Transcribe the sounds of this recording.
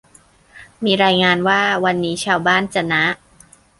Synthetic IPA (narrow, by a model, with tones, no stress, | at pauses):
miː˧ɾaː˧jŋaː˧nwaː˥˩wa˧nːiː˦˥t͡ɕʰaː˧wbaː˥˩nt͡ɕa˨˧˩na˦˥ʔ